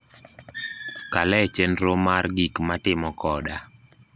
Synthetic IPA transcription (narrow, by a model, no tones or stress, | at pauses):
kalɛt͡ʃenɾomarɡikmatɪmɔkɔda